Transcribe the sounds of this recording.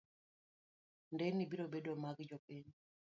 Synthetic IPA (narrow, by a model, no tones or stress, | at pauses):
ndɛnibiɾobedomaɡd͡ʒɔpiɲ